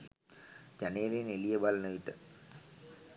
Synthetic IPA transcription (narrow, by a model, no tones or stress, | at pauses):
d͡ʒænejlenelijɐbɐlɐnɐʋiʈːə